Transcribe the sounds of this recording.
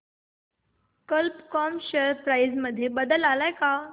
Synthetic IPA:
kəlpkɔmɕəɾpɾajd͡zməd̪ʱːjebəd̪əlalajka

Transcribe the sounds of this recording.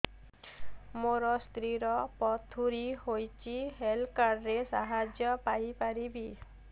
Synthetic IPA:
moɾɔst̪ɾiɾɔpɔt̪ʰuɾihojt͡ʃʰiɦelkaɾːesaɦad͡ʒjɔpajpaɾibi

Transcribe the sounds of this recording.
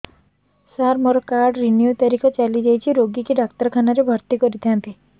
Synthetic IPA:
saɾmɔɾɔkaɾɖɾinjut̪ɔɾikʰɔt͡ʃalid͡ʒajt͡ʃʰiɾoɡikiɖak̚t̪əɾkʰanaɾebʱɔɾt̪ikɔɾit̪ʰiãnt̪i

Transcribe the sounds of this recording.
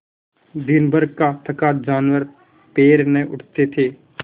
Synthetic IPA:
d̪ɪnbʱəɾɡ̚kat̪ʰəkaːt̪d͡ʒaːnwəɾ | peːɾnẽʔʊʈʰt̪et̪ʰeː

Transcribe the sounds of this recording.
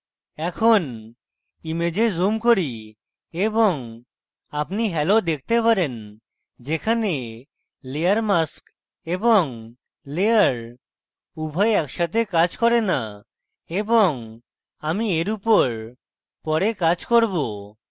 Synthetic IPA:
ɛkʰon | imed͡ʑezumkoɾi | ebɔŋ | apniɦɛlod̪ek̚ʰt̪epaɾen | d͡ʑekʰane | leaɾmask | ebɔŋ | leaɾ | ubʱajeɛkʃat̪ʰekad͡ʑkɔɾena | ebɔŋ | amieɾupoɾ | pɔɾekad͡ʑkoɾbo

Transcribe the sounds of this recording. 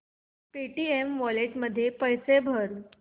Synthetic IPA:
peʈiemʋɔleʈməd̪ʱːjepəjsebʱəɾ

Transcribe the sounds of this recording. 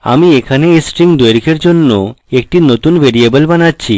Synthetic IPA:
a̰miekʰaneesʈɾiŋd̪ojɾikʰeɾd͡ʑonːoek̚ʈinot̪unbʱeɾiebəlbanatːɕʰi

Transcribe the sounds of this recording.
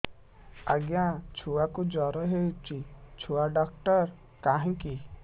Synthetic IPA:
ə̰ɡjãt͡ʃʰuakud͡ʒɔɾɔɦet͡ʃit͡ʃʰuaɖak̚ʈəɾ | kaɦĩki

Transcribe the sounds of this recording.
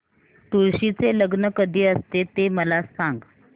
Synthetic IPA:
t̪uɾɕit͡seləɡnəkəd̪ʱiːəst̪et̪eməlasãŋɡ

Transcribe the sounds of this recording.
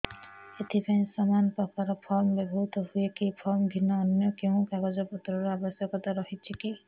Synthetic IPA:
et̪ʰipaĩsɔmanɔpɔkaɾɔpʰɔɾmɔbebʱɔɦut̪ɔhuekepʰɔɾmɔbʱinːɔːnjɔkeũkaɡɔd͡ʒɔpɔt̪ɾɔɾuabɔsjɔkɔt̪aɾɔɦit͡ʃʰiki

